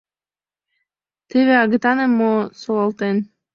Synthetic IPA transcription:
t̪eβeɑɣɤt̪ɑnemːosolɑlt̪en

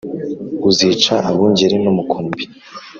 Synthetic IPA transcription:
uzit͡ʃaʔaβuːɲɟeɾenumukʰuːmbi

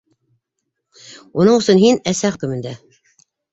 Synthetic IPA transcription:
unɤɴɤ̆sɤnɦinæsæχɵ̆kɵ̆mɘ̆nd̪æ

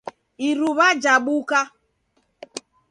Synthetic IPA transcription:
iɾuβad͡ʒaɓuka

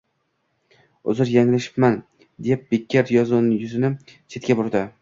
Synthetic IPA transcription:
ʊ̰zɪɾjaŋlaʃɪ̥pman | d̪ep̚b̥ekʲʰːaɾjɒzʊnɪjʊzɪnɪt͡ʃʰe̞t̪̚kʲabʊɾd̪ɪ

